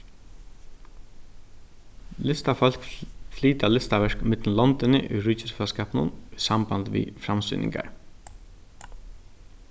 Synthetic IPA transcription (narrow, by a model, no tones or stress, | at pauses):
lɪst̪afɔlkfliːt̪alɪst̪aʋɛʂkmɪt̪nlɔnt̪ɪnɪ̰ʔʉ̰ːɹʏcɪsfɛlskɑːpnʊ̰nʏsɑmbɑnd̪ʋḭfɾamsy̰nɪ̰ŋka̰ɹ